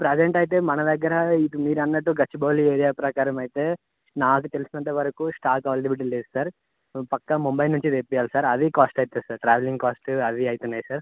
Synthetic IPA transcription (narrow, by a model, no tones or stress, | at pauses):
pɾed͡ʒeɳʈɐjit̪e̞ːmɐnɐd̪ɐɡːɐɾɐipumiːɾɐnːɐʈːuɡɐt͡ʃːiboːlieːɾijaːpɾɐkaːɾɐmɐjit̪e̞ː | naːk̬ut̪elusinɐɳʈːɐʋɐɾɐkusʈaːkaːlʈibiʈ̬ileːsu̥saːɾ | pɐkːɐmumbɐjnːuɲt͡ʃid̪epːijaːlusaːɾɐd̪ikaːsʈɐjit̪eːsaɾʈɾaːʋeliŋɡkaːsʈɐd̪iɐjit̪unːaːjsaːɾ